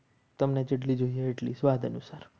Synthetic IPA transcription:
t̪əmned͡ʒeʈ̬lid͡ʒoijeeʈlḭsʋad̪ənusaɾ

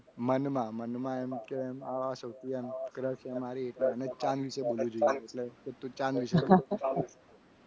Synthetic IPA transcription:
mənmãmənmãɛmkemaasəwt̪iɛmkɾəsɛmaɾieʈleənet͡ʃãnʋiʃebolũd͡ʒojeeʈleket̪ũt͡ʃãnʋiʃək

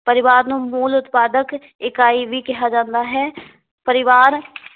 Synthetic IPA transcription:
pəɾɪʋaːɾnũːmuːlʊt̪paːd̪ək | ɪkaːiʋikɪɦad͡ʒãːnd̪aːɦɛː | pəɾɪʋaːɾ

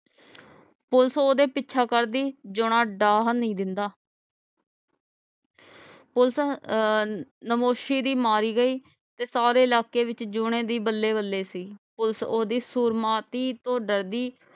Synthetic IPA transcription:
pʊlsoːd̪eːpɪːt͡ʃʰaːkəɾd̪iːd͡ʒʊɽ̃ãːɖaːɦnəĩːd̪ɪnd̪aː | pʊls | nəmoːʃiːd̪iːmaːɾiːɡəiː | t̪eːsaːɾeːɪlaːkeːʋɪt͡ʃd͡ʒʊɽ̃ẽːd̪iːbəlːeːbəlːeːsiːpʊlsoːd̪iːsuːɾmaːt̪iːt̪õːɖəɾd̪iː

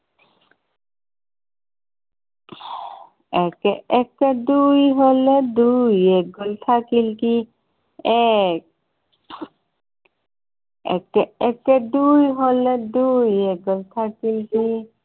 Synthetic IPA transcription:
ɛkɛɛkɛdujɦɔled̪ujɛɡɔlt̪ʰakilki | ɛk̚ | ɛ̰kɛɛkɛd̪ujɦoledujɛɡɔlt̪ʰakilki

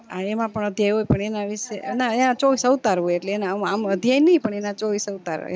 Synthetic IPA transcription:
aemãpəɳəd̪ʱijaɦojpəɳenaʋɪʃenaenat͡ʃoʋisəwt̪aɾʋũeʈleːnaaməd̪ʱjajnəĩpəɳenat͡ʃoʋisəwt̪a̰ɾ̰j

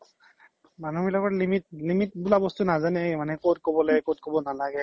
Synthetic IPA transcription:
manubilakɔtlimit̚limitbulabɔstunazanɛmanɛkot̚kobɔlakot̚kobɔnalaɡɛ

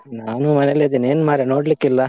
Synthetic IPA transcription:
naːnumɐnɛlɐd̪ɐneːnmaːɾinoːɽlikːilːɐ

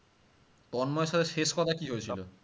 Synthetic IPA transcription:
pɔnmɔjsat̪eʃeʃkɔt̪ʰakiɦoet͡ɕʰilo

